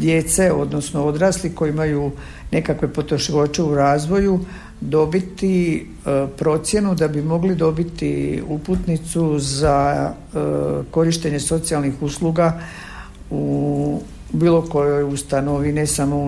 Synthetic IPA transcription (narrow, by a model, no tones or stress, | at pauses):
d̪je̞t̪se̞o̞d̪no̞sno̞o̞d̪ɾaːsliko̞jiimaju | ne̞kakʋe̞po̞t̪oʃilot͡ʃe̞uɾaːzʋo̞ju | d̪o̞bit̪i | pɾo̞t̪sje̞nud̪abimo̞ɡlid̪o̞bit̪iuput̪nit̪suza | ko̞ɾiʃt̪e̞ɲe̞so̞t̪sijalˠnixusluɡa | u | biːlˠo̞ko̞jo̞just̪anoʋinesamo